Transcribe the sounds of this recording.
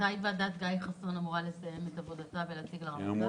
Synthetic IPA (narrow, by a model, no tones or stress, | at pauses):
ajvadat̪ɡajχasoʁnamuʁale̞sajemetavodatavelat͡siɡlaʁo